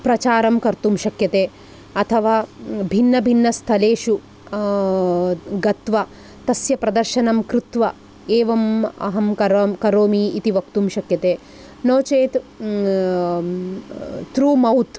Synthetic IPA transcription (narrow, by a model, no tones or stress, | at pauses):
pɾɐt͡ʃaːɾɐmkɐɾt̪umʃɐkjɐt̪eː | ɐt̪ʰɐʋaːbʱinːɐbʱinːɐst̪ʰɐleːʃu | ɡɐt̪ʋɐ | t̪ɐsjɐpɾɐd̪ɐɾʃɐnɐmkɾut̪ʋɐ | eːʋɐmɐ̰ɦɐmkɐɾkɐɾoːmiit̪iʋɐk̚t̪umʃɐkjɐt̪eː | noːt͡ʃeːt̪ | t̪ɾuːmɐwt̪